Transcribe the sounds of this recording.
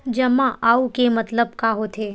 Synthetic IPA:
d͡ʒɐmːaʔaːukemɐt̪ləbkaːɦot̪ʰeː

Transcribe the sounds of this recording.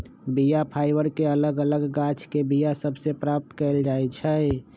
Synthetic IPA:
bijapʰaɪbəɾkeələɡələɡːat͡ʃʰkebijasəbsepɾap̚t̪kɛld͡ʒaɛt͡ʃʰɛ

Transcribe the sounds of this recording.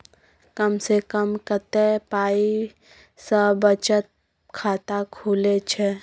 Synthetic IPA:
kəmsekəmkət̪epaːi | səbət͡ʃət̪̚ | kʰaːt̪akʰuːlet͡ʃʰe

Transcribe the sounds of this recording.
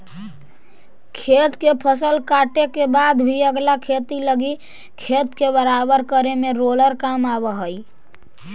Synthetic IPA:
kʰeːt̪kepʰəsəlkaːʈekebaːd̪bʱiəɡlakʰeːt̪iləɡi | kʰeːt̪kebəɾaːbəɾkəɾemẽɾoːləɾkaːmaːbəɦəi

